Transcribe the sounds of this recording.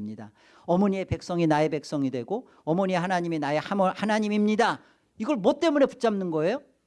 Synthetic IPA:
mɲida | ʌmʌɲie̞pe̞k̚s͈ʌŋinae̞pe̞k̚s͈ʌŋidwe̞ɡo | ʌmʌɲieɦanaɲiminaehamʌhanaɲimimɲida | iɡʌɭmʌt̚t͈e̞mune̞put͡ɕ͈amnɯnɡʌe̞jo

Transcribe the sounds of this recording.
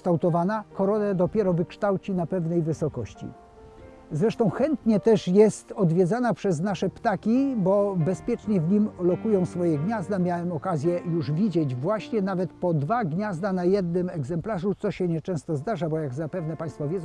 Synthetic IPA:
t̪awt̪ɔvanakɔɾɔnɛd̪ɔpʲjɛɾɔvɘkʂt̪awt͡ɕinapɛvnɛjvɘsɔkɔɕt͡ɕḭ | zɾɛʂt̪ɔ̃w̃xɛnt̪ɲɛt̪ɛʂjɛst̪ɔd̪vʲjɛd̪zanapʂɛznaʂɛpt̪akʲibɔbɛspʲjɛt͡ʂɲɛvɲimlɔkujɔ̃w̃sfɔjɛɡɲazd̪amʲjawɛmɔkazʲjɛjuʐvʲid͡ʑɛd͡ʑvwaɕɲɛnavɛt̪pɔd̪vaɡɲazd̪anajɛd̪nɘmɛɡzɛmplaʐut̪sɔɕɛɲɛt͡ʂɛ̃w̃st̪ɔzd̪aʐabɔjaɡzapɛvnɛpaj̃st̪fɔvʲjɛzɔ̃w

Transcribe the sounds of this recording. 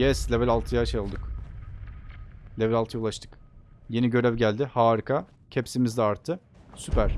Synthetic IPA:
jɛsʲevɛlʲalˠt̪ʰɯjaʃelˠd̪ɯk | lʲevɛlʲalˠt̪ʰɯjaulˠaʃt̪ʰɯ̥kje̞niɟø̞ɾɛvɟælʲd̪ɪhaːɾɯkʰa | cʰepsimizd̪ɛaɾt̪ʰːɯ | sypʰæɾ̥

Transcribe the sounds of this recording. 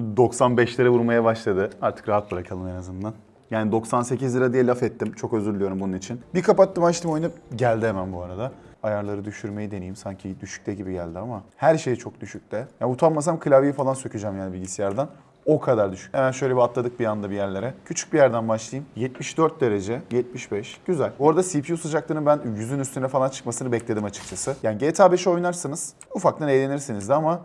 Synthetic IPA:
d̪o̞ksanbɛʃlʲiɾɛvuɾmajabaʃlˠad̪ɯaɾt̪ʰɯ̥kɾaɦat̪̚bɯɾakʰalˠɯmenazɯnd̪an | jaːnid̪o̞ksanse̞cizlɯɾad̪ijɛlʲafɛt̪ʰːimt͡ʃʰo̞kø̞zyɾlʲyjo̞ɾumbununit͡ʃʰinbikʰapat̪ːɯmat͡ʃt̪ɯmo̞jnɯɟælʲd̪iemænbuaɾad̪a | ajaɾlˠaɾɯd̪yʃyɾme̞jid̪e̞nijimsaɲcʰid̪yʃy̥c̚t̪ɛɟibiɟælʲd̪iamahæɾʃe̞jit͡ʃʰo̞k̚d̪yʃyc̚t̪ʰɛjaːut̪ʰammːas̬amkʰɯlʲavijifalˠansø̞cʰyd͡ʒɛmjaːnibilʲɟisijaɾd̪an | o̞kʰad̪aɾd̪yʃy̥cemænʃø̞jlebiat̪lˠad̪ɯk̚bijannd̪abijæɾlʲe̞ɾɛcʰyt͡ʃʰy̥c̚bijæɾd̪ænbaʃlˠajɯmjɛt̪miʃd̪øɾt̪̚d̪e̞ɾe̞d͡ʒɛjɛt̪̚miʃbɛʃɟ̥yzælʲo̞ɾad̪asipʰijusɯd͡ʒak̚lˠɯnɯbænjyzynyst̪ʰynɛfalˠant͡ʃʰɯ̥kmasɯnɯbɛclʲe̞d̪imat͡ʃʰɯ̥k̚t͡ʃʰasɯjaːniɟeːt̪ʰaːbeʃio̞jnaɾsɯnɯz̥ | ufak̚t̪anejlʲe̞niɾsinizd̪ɛama

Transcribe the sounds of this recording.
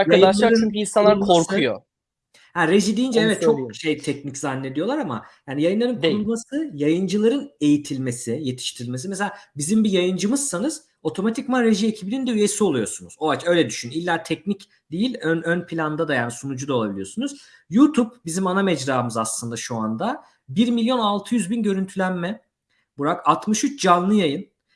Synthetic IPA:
aɾajɯaʃˠaɾymyinsanlaɾkʰoɾkʰujo̰ | hæɾed͡ʒid̪ijind͡ʒɛɛvɛt̪̚t͡ʃʰok̚ʃejt̪ʰɛc̚niczanːe̞d̪ijo̞lˠaɾama̰jaːnijajɯnˠaɾɯnkulˠmasɯjajɯnd͡ʒɯlˠaɾɯne̞jit̪ʰilʲmesije̞t̪ʰi̥ʃt̪ʰiɾilʲmesimeselʲaːbizimbijajɯnd͡ʒɯmɯz̥sanɯz̥ | o̞t̪ʰo̞mat̪ʰicmaɾeʒiecʰibinind̪ɛyjesio̞lˠujo̞sunuzo̞at͡ʃø̞jlʲɛd̪yʃynilʲːæt̪ʰɛcnic | d̪ejilʲønønpʰilʲand̪ad̪ajaːnisunud͡ʒud̪ao̞lˠabilʲjo̞sunuz̥juːt̪ʰub̚bizimanamɛd͡ʒɾaːɯmɯzaslˠɯnd̪aʃuand̪a | biɾmilʲjo̞nalˠt̪ʰɯjyzbinɟø̞ɾynt̪ʰylʲænmɛ | buɾakat̪mɯʃyt͡ʃd͡ʒanlːˠɯjajɯn

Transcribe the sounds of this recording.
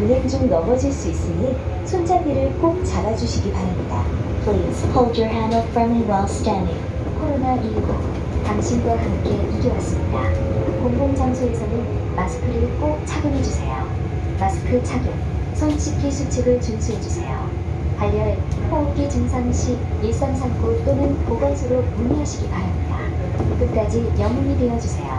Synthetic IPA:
ɯnend͡ʑoŋnʌmʌd͡ʑiɭs͈uis͈ɯmisʰond͡ʑaɡiɾɯɭk͈ok̚t͡ɕaɾad͡ʑuɕʰiɡipaɾamɲidapisʰpʰold͡ʑə˞ɦanʌpamenwalstani | kʰoɾonamiɡo | taŋɕʰimɡwakamk͈e̞ʔiɡjowas͈ɯmɲidakoŋɡoŋd͡ʑaŋsʰoe̞sʰʌnɯnmasʰɯ̥kʰɯɾɯɭk͈ok̚t͡ɕʰaɡjunɦe̞d͡ʑusʰe̞jo | maskʰɯɭt͡ɕʰaɡjun | sʰʌnt͡ɕʰik͈ʰisʰut͡ɕʰiɡɯɭt͡ɕunsʰuɦe̞d͡ʑusʰe̞jo | haʎːjʌɭpʌɡit͡ɕɯŋsʰaŋɕʰi | iɭs͈ansʰanɡot͈onɯnpoɡasʰɯɾomuɲiɦaɕʰiɡipaɾamɲida | kɯt̚k͈ad͡ʑijʌŋuɲide̞jʌd͡ʑusʰe̞jo̰

